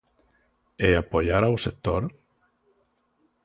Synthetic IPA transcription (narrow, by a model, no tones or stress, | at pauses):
eapoʎaɾawsek̚t̪oɾ